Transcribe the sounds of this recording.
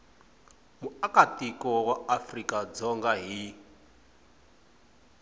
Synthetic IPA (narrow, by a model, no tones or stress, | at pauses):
muakatikɔwaafrikad͡zɔŋɡaɦi